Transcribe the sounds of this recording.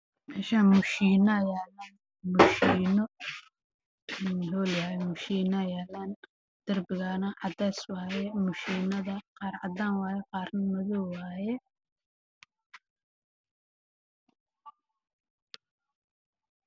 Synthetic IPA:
mɛːʃaːmʊʃiːnɐjɛːlaːn | mʊʃiːnɔ | hɔːljaːjɛmʊʃiːnɐjɛːlan | d̪̥ɐrbɪɣaːnɐʕɑd̪ɛːswaːjɛmʊʃiːnɐðɐqɑːɾʕɑ̰d̪aːnwaːjɛqɑːɾnmɐðɔwaːjɛ

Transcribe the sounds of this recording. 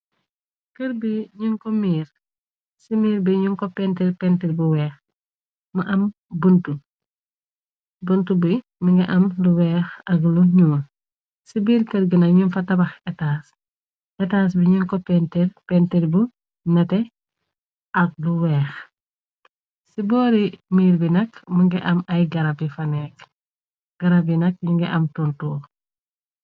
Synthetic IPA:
kəɾbiɲuŋkɔmiːɾ | simiːɾbiɲuŋkɔpɛntiɾpɛntiɾbuwɛːx | mɐʔɐm | buntu | bəntubu | miŋɡɐʔɐmluwɛːxɐkluɲuwɐ | sibiːɾkəɾɡinɐɲunfɐtɐbɐxɛtaːs | ʔɛtaːs̬biɲiŋkɔpɛntɛɾpɛnteɾbu | nɐtɛ | ɐk̚luwɛːx | sibɔːɾimiːɾbinɐkmuŋɡɛʔɐmɐjɡɐɾɐbifɐnɛk | ɡ̥ɐɾɐbinɐk̚ɲuŋɡɛʔɐmtontuː

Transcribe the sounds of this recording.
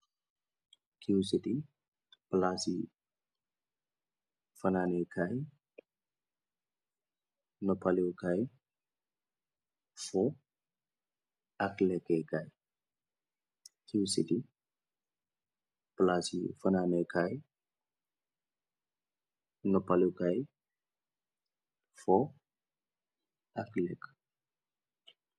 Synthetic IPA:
kʰiusiti | plasi | fananekʰaj | nɔpʰaliwkʰaj | fɔ | aklekekʰaj | kiwsidi | plasḭfɐnanejkʰaj | nopaliwkaj | fɔ | aklɛk

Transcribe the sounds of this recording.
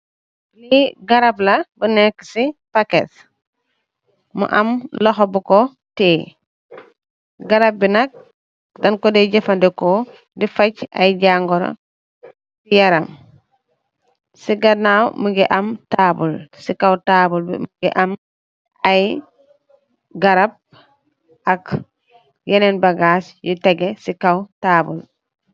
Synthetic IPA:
liɡaɾablɐbunɛkːsifakḛs | mṵʔɐmloxobuko | teː | ɡaɾap̚binɐk̚ | dɐnkɔdeɟefandɛko | difaca̰jɟaŋɡɔɾo̰ | sijaɾam | siɡanawməŋɡiʔɐmtabṵlsikawtabulbḭmɡiʔam | aj | ɡaɾab̚ | ak | jenenbaɡaːsjuteɡesikawtaːbul

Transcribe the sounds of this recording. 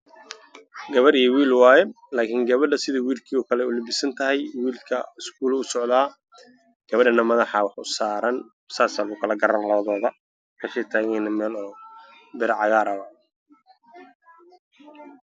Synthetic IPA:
ɡɐβɐɾijɔwiːlwaːjɛ | laːkʰɪŋɡɐβɐɖɐsɪðɐwiːlkʰiːɔːkʰɐlɛʊlɪbɪsɐnt̪ʰɐɦɛjwiːlkʰɐ̰ɪskʰuːlʊsɔʕðaː | ɡ̥ɐβɐɖɐnɐmɐðɐħɑwɑħʊsaːɾɐn | saːsɐlɣʊkʰɐlɐɡɐɾɐnlɐβɐðɔːðɐ | kʰɐʃɛt̪ʰaːɣɛnɐmɛːlɔː | bɪɾɐʕɑɣaːɾɐwɐ

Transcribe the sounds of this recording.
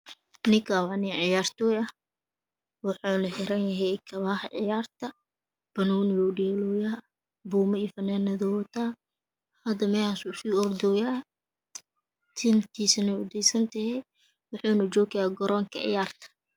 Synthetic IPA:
nɪkʰawɑniʕɪjaːrt̪ɔːjɐh | wɑħɑːnɐħɪɾɐnjɐɦɛjkʰɐβaːhɐʕɪjaːrt̪ʰɐ | b̥ɐnuːnwuɖɛːlɔːjaː | buːmɐifɐnaːnɐðɔwt̪ʰaː | hɐd̪ɐmɛhasuːsiːɔrd̪ɔjaː | t̪ʰɪnt̪ʰiːsɐnɛʊd̪ɛjsɐnt̪ʰɐhɛj | wʊħuːnɐd͡ʒɔːkɐjaːɡɔɾɔːŋkʰɐ̰ʕɪ̰jaːrt̪ʰɐ̥

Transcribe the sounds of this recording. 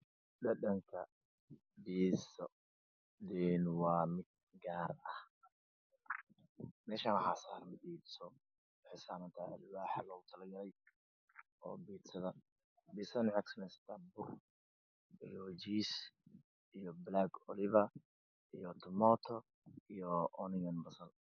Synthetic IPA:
dɐɗɐŋkʰɐ | biːsɔ | d̪ɛnwɑːmɪd̪̚ | ɡaːrɐh | mɛːʃaːnħaːsaːɾmɐbiːd̪sɔ | ħɪsaːβɐnt̪ʰaʔɐ̰lwaːħalɐɣʊt̪ʰɐlɐɡɐlɛj | ɔ̰ːbiːd̪sɐðɐ | biːsɐnʕɛksɐmɛsɐ̥t̪ʰɐbʊr | ʔijɔd͡ʒiːs | ijɔblaɡɔlɪβɐ | ijɔt̪ʰɔmɔːt̪ʰɔ | ijɔʔɔnɪjɐnbɐsɐl

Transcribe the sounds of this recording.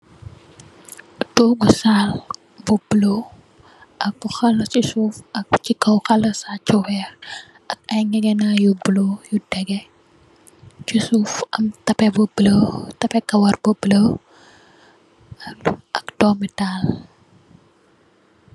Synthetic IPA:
doːɡusaːl | bublo | ʔɐkbuxɐlɐt͡ʃisuːfɐk̚cikːɐwxɐlɐsat͡ʃːɔwɛːr | ʔɐk̚ɐjŋɛɡɛnaːjubulojudɛɡɛ | t͡ʃusufɐ̰mtɐpɛbublətɐpɛkɐwɐrbubləw | ʔɐkdɔːmitaːl

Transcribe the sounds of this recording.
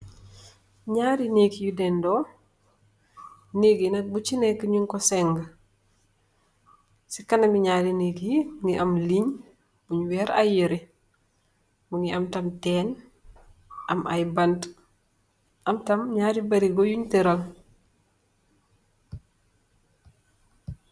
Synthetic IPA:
ɲaɾineːkjudɛndɔ | neɡinɐt̚but͡ʃinekəɲuŋkɔsɛŋɡə | sikɐnɐmiɲaːɾineːkiiŋiʔɐmliɲ | buɲwɛːɾa̰jəɾi | muŋiɐmtɐmtɛːn | ʔɐmʔa̰jbɐnt | ɐmtɐmɲaːɾibɐɾiɡojuɲtiɾɐl

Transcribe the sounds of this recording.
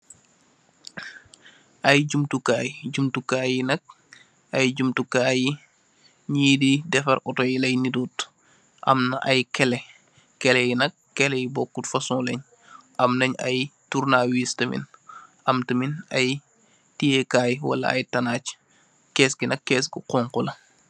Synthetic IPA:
ʔɐjɟumtukaːjɟumtukaːjinɐk̚ | ʔɐjɟumtukaːji | ɲiːdidɛfɐɾʔɔtɔjlɐjnidut | ʔɐ̰mnɐʔɐjkɛlɛ | kɛlɛjinɐk̚ːɛlɛjibɔkːutfɐsɔ̃lɛɲ | ʔɐmnɐɲɐ̰jtuɾnaːwiːstɐmḭn | ɐmtɐminɐj | tijɛkaːjwɐ̰lɐ̰ɐ̰jtɐnaːc | kɛːsɡinɐkːɛːsɡiqɔːŋkɔlɐ

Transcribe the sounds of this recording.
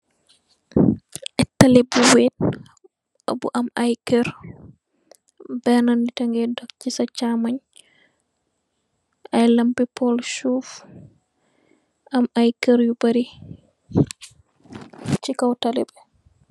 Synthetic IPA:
ʔɛtːalɛbuwet̚ | ɔ̰bṵʔamajkɛɾ | bɛnanditaŋɡɛdɔkt͡ʃisat͡ʃamaɲ | ajlampipɔlʃuf | ʔamajkɛɾjubaɾi | t͡ʃikawtalɛbɛ

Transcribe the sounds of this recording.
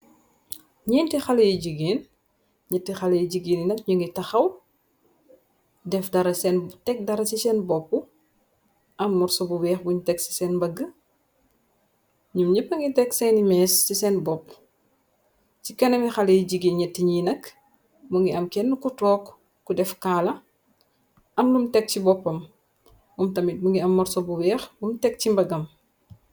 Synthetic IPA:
ɲɛːntixɐlɐjiɟiɡeːn | ɲɛtːixɐlɐjiɟiɡeːnjinɐk̚ɲuŋɡitɐxɐw | dɛfdɐɾɐsɛntɛk̚dɐɾɐsisɛnbɔp̚ːu | ʔɐmːɔrsɔbuwɛːxbuɲtɛksi̥sɛːnbɐɡə | ɲumɲipːɐŋɡitɛksɛnimɛssisɛnbɔpː | cikɐnɛmixɐlɛɟiɡiɲɛtːiɲinɐk | muŋɡiɐmkɛnːukutɔːkː | udɛfkaːlɐ | ʔɐmlumtɛk̚cibɔpːɐm | mumtɐmit̚buŋɡiɐmːɔɾsɔbuwɛːxbumtɛk̚cimbɐɡɐm

